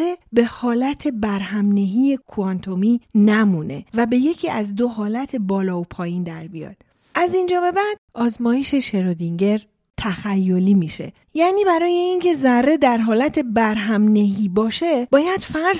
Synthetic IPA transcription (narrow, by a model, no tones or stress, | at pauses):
e̞be̞hɒːlæt̪ʰe̞bæɾɦæmne̞ɦiːe̞kʰuɒnt̪ʰo̞miːnæmune̞̰væbe̞je̞cʰiːæzd̪o̞ɦɒːlæt̪ʰe̞bɒːlɒːopʰɒːjind̪æɾbijɒ̰ːd̪̥ | ʔæzind͡ʒɒːbe̞bæd̪̥ɒːzmɒːjeʃe̞ʃe̞ɾod̪iŋɟe̞ɾ | t̪ʰæxæjːo̞liːmiːʃe̞̰ | jæːniːbæɾɒːje̞incʰe̞zærːe̞d̪æɾɦɒːlæt̪ʰe̞bæɾɦæmneɦiːbɒːʃe̞bɒːjæd̪̥fæ